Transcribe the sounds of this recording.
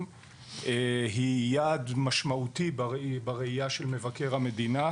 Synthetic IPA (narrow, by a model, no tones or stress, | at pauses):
m | eɦijadmaʃmautibbaʁeijaʃelme̞vake̞ʁhame̞d̪ina